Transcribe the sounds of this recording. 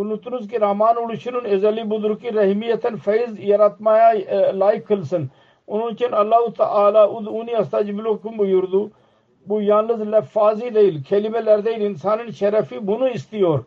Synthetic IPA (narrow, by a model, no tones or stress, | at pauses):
ʊnut̪unuzk̬iɾaːmaːnulut͡ʃʰinunezɐlibʊzʊɾkiɾɐɦmijɐt̪ʰɐnfɐizjɐɾɐt̪maːjaːlaːikʰːəlsɐn | ʊnunt͡ʃʰɐnɐlːaːɦut̪ɐ̰ʔaːlaːʊd̪uːniɐst̪aːd͡ʒiblokumbujuɾd̪uː | bujaːnɐzlɐfaːzid̪ɐilkʰeːlibelɐɾd̪ɐilɪnsaːnɐnʃɐɾɐfiːbunuist̪ijoːɾ